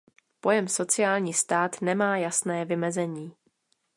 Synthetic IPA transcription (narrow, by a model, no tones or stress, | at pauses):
po̞jɛmso̞t͡sɪjaːlɲiːst̪aːt̪nɛmaːjasnɛːvɪmɛzɛɲiː